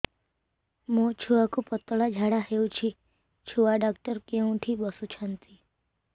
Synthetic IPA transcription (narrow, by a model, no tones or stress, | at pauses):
mũt͡ʃʰuʋakupət̪ːəɭad͡ʒʱaɽaɦeũt͡ʃʰi | t͡ʃʰuʋaɖak̚ʈəɾkeũʈʰibəsut͡ʃʰant̪i